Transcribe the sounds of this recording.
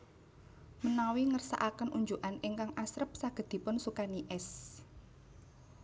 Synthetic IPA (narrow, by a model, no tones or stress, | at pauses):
mənawiŋərsa̰ʔakənʔuɲd͡ʒuʔaniŋkaŋʔasɾəp̚saɡ̥ə̤d̪̥i̤pʊnsukaniʔɛs